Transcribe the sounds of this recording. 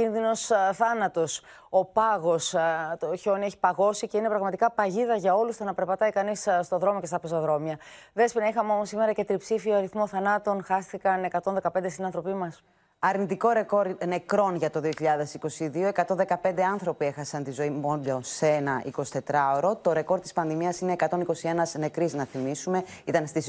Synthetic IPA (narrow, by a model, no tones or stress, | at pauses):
cinðino̞sθɐnɐt̪o̞s | o̞pɐɣo̞st̪oço̞nieçi̥pɐɣo̞sice̞ine̞pɾɐɣmɐt̪ikɐpɐʝiðɐʝɐo̞lust̪onɐpe̞ɾpɐt̪ɐikɐnisst̪o̞ðɾo̞moce̞st̪ɐpesɐðɾo̞miɐ | ðe̞spinɐixɐmeo̞mo̞sime̞ɾɐce̞t̪ɾipsifioɐɾiθmo̞θɐnɐt̪o̞nxɐsθikɐne̞kɐt̪o̞nðekɐpe̞nd̪est̪inɐnθɾo̞pimɐs | ɐɾnit̪iko̞ɾe̞ko̞ɾne̞kɾo̞nʝɐt̪o̞ðio̞çiʎɐðe̞siko̞siðioe̞kɐt̪o̞nðe̞kɐpnd̪e̞ɐnθɾo̞pie̞xɐsɐnt̪izo̞imoloseenɐʔḭko̞si̥t̪e̞t̪ɾɐoɾo̞t̪o̞ɾe̞ko̞ɾt̪ispɐnðimiɐsine̞ːkɐt̪o̞niko̞sie̞nɐzne̞kɾiznɐθimisume̞it̪ɐnst̪is